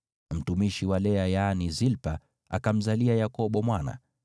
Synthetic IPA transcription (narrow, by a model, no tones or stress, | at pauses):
m̩tumiʃiwalɛajanizilpa | a̰kam̩zaliajakɔɓɔmwana̰